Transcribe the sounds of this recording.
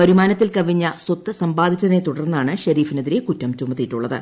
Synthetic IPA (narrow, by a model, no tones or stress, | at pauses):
pɐɾumaːnɐt̪ːilkɐʋiɲːɐswot̪ːɨsɐmbaːd̪ʱit͡ɕːɐðnet̪uɽɐrnːɐaːɳɨɕɐɾiːfinɐðiɾe̞kutːɐmt͡ɕumːɐt̪ːijiʈːuɭːɐðɨ̰